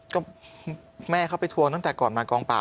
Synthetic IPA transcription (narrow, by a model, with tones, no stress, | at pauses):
kɔː˥˩ | mɛː˥˩kʰa˥˩wpa˧jt̪ʰu˧əŋt̪a˥˩ŋt̪ɛː˨˩kɔː˨˩nmaː˧kɔː˧ŋpa̰ː˨˩